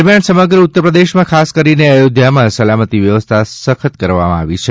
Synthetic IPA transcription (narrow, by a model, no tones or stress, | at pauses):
ɾmjansəməɡɾəut̪ːəɾpɾəd̪eʃmãkʰaskəɾineəjod̪ʱjamãsəlamət̪iʋjəʋəst̪ʰasəkʰət̪kəɾʋa̰mã̰a̰ʋit͡ʃʰe